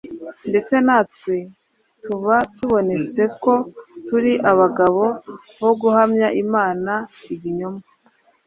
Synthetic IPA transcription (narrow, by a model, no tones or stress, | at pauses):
nde̞t͡se̞naːtkwe̞ | tuβatuβo̞ne̞t͡se̞ko̞tuɾiʔaβaɡaβo̞ | βo̞ɡuhamɲaʔimaːnaiβiɲoma